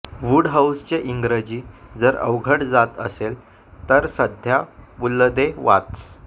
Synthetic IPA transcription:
ʋuɽɦawst͡ɕeʔiŋɡɾəd͡ʑiːd͡zəɾə̰ʋɡʱəʈd͡zat̪ə̰sel | t̪əɾsəd̪ʱjabulːəd̪eʋa̰t̪t͡s

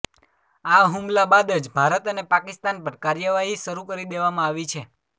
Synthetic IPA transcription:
aɦumlabad̪əd͡ʒbʱaɾət̪ənepakist̪anpəɾkaɾjəʋaɦiʃəɾukəɾid̪eʋamãaʋit͡ʃʰe

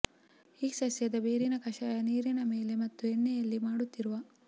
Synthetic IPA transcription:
iːsɐsjɐd̪ɐbeːɾinɐkɐʃaːjɐniːɾinɐme̞ːlemɐt̪ːuenːɛjɐlːimaːɽut̪ːiɾuʋɐ

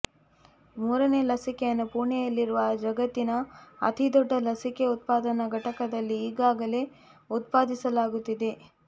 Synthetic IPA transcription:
muːɾɐne̞ːlɐsikejɐnːupuːɳɛjɐlːiɾuʋɐd͡ʒɐɡɐt̪ːinɐɐ̰t̪ʰid̪ɔɖːɐlɐsike̞ut̪̚paːd̪ɐnɐɡɐʈɐkɐd̪ɐlːiːɡaːɡɐle̞ | ut̪̚paːd̪isɐlaːɡut̪ːid̪e̞

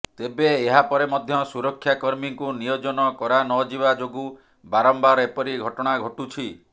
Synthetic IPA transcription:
t̪ebeːɦapɔɾemɔd̪ʱjɔsuɾɔkʰːjakɔɾmiŋkunijod͡ʒɔnɔkɔɾanɔd͡ʒibad͡ʒoɡu | baɾɔmbaɾepɔɾiɡʱɔʈɔɽ̃aɡʱoʈut͡ʃʰi

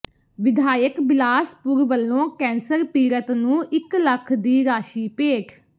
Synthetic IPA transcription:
ʋɪd̪ʱaːjəkbɪlaːspʊɾʋəlːõːkɛ̃ːnsəɾpiːɾət̪nũːʔɪkləkʰd̪iːɾaːʃiːpeːkʰ

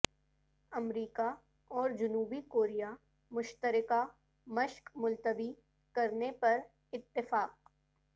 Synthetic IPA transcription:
ɐmɾiːka | ɔːɾd͡ʒʊnuːbikoːɾija | mʊʃt̪əɾɪka | mɐʃkmʊlt̪əbi | kɐɾnepɐɾ | ɪt̪ːɪfaːq̚

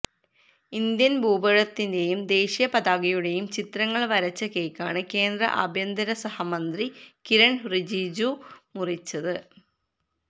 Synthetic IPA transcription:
ind̪jɐnbʱuːbɐɻɐt̪ːinde̞jumd̪e̞ːɕijɐpɐd̪aːɡɐjuɽe̞jumt͡ɕit̪rɐŋːɐɭʋɐɾɐt͡ɕːɐke̞jkʲːa̰ːɳɨke̞ːnd̪rɐ̰ʔɐ̰bʱjɐnd̪ɐɾɐsɐhɐmɐnd̪rikiɾɐɳrid͡ʑiːd͡ʑumurit͡ɕːɐðɨ

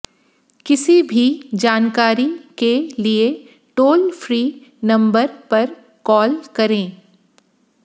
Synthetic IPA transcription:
kɪsibʱid͡ʒaːnkaːɾikelie | ʈoːlfɾiːnɐ̃mbəɾpɐɾ | kɔːlkɐɾẽː

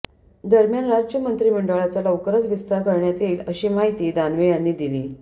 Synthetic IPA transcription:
d̪əɾmjanɾad͡ʑjəmənt̪ɾiːməɳɖʋəɭat͡saləwkəɾət͡sʋist̪aɾkəɾɳjat̪eəɕiːmaɦit̪iːd̪anʋejanːiːd̪iliː

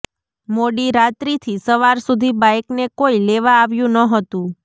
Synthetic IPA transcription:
moɽiɾat̪ɾit̪ʰisəʋaɾsud̪ʱibajknekoileʋaːʋjũnəɦət̪ũ

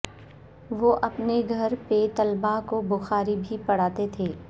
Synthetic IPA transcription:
ʋoʔɐpneɡʱɐɾpet̪ɐlbakobʊxaːɾibʱipɐɽ̤aːt̪et̪ʰeː

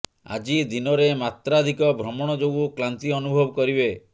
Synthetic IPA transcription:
a̰d͡ʒid̪inɔɾemat̪ɾad̪ʱikɔbʱɾɔmɔɽ̃ɔd͡ʒoɡuklant̪iɔnubʱɔbɔkɔɾibe

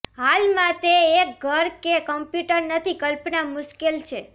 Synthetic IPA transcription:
ɦalmãt̪eːk̚ɡʱəɾkekəmpjuʈəɾnət̪ʰikəlpnamʊʃkelt͡ʃʰe

